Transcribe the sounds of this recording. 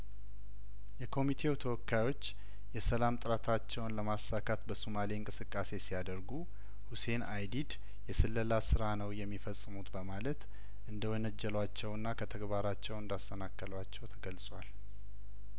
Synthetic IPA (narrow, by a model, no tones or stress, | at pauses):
jɛkʰo̞mit̪ʰe̞wt̪ʰəwɔkːajo̞t͡ʃː | jɛsəlamt̪ʼɨɾət̪ʰat͡ʃːɛwnləmasakʰat̪bəsumaleɨŋkʼɨsɨkʼːase̞sijad̪əɾɡu | huse̞najd̪id̪ | jɛsɨlːəlasɨɾanəwjɛmːifəsʼːɨmut̪bəmalət̪ | ʔɨnd̪əwɔnəd͡ʒːɛlwat͡ʃːɛwɨnːakʰət̪ʰəɡβaɾat͡ʃːɛwɨnd̪ast̪ʰənakːəlwat͡ʃːɛwt̪ʰəɡəlsʼwal